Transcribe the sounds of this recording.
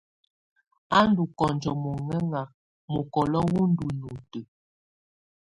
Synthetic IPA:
a˦n˦du˨kɔ˨nd͡ʒɔ˨mo˨ŋɛ˦ŋa˨ | mo˨kɔ˨lɔ˦wu˦n̩˦du˨nu˨tə˨

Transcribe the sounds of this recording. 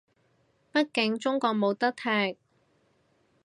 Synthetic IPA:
pɐ˥t̚kɪ˨˥ŋt͡ʃʊ˥ŋkɔː˧k̚mo˨˧wt̪ɐ˥k̚t̪ʰɛː˧˥k̚

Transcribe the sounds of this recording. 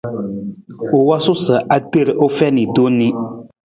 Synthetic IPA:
o˨wa˦sʊ˦sə˨ʔa˦te˦˨ɾʔo˦fɛ˦ni˨do˦ni˦

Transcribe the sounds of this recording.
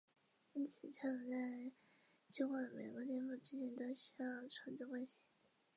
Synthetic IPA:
i˥nt͡sʰɹ̩˨˩t͡ɕʰɑ˥˩˨t͡sa˥˩ɪ | t͡ɕi˥xwa˥˩me˨˩ɪkə˧˥t̪ɛ˥˧nfu˥˩t͡ɕi˥t͡ɕjɛ˥˩nt̪o˥ʊɕy˥jɑ˥˩ʊʈ͡ʂʰɑ˧˥ŋt͡ɕkwe˥˧ɕɛ˥˩˦

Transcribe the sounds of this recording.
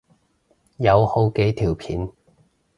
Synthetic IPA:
jɐ˨˧who˨˧wke˨˧˥jt̪ʰiː˨˩wpʰiː˨˥n

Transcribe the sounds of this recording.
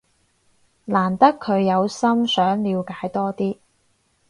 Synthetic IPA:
laː˨˩nt̪ɐ˥kʰːɵ˨˧ɥjɐ˨˧wsɐ˥msœː˨˥ŋliː˨˧wkaː˨˥jt̪ɔː˥t̪iː˥

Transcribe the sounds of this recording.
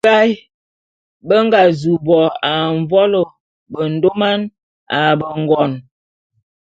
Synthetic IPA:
a˦j | bə˦ŋ˦ɡa˨zu˨bɔ˨a˨ɱ˦vɔ˦lo˨ | bə˨n̩˦do˦ma˦n | a˨bə˨ŋ˨ɡɔ˨n

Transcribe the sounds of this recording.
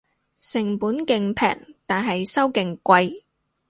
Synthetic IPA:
sɪ˨˩ŋpuː˨˥nkɪ˨ŋpʰɛ̰ː˨k̚t̪aː˨nɦɐ˨jsɐ˥wkɪ˨˩ŋkʷɐ˧j

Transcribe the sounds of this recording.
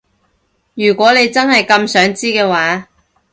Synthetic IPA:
jyː˨˩kʷɔː˨˥le˨˧jt͡sɐ˥nɦɐ˨jkɐ˧msœː˨˥ŋt͡siː˥kɛː˧waː˨˥

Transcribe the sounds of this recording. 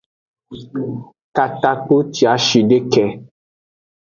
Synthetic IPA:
ka˨t̪a˦k͡po˦ti˨a˨˦ʃi˨ɖe˦kɛ˨

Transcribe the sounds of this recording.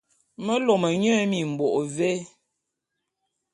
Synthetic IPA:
mə˦lo˨mə˨ɲə˦mi˨m̩˨bo˨ʔve˦

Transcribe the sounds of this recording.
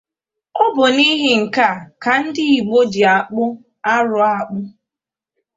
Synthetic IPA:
ɔ˦bʊ˨ni˦ɦɪ˨ŋ̩˨ka˦˨ka˨n̩˦dɪ˦i˨ɡ͡bo˦d͡ʒi˨a˨k͡pʊ˦ | a˦ɾʊ˨a˨k͡pʊ˦

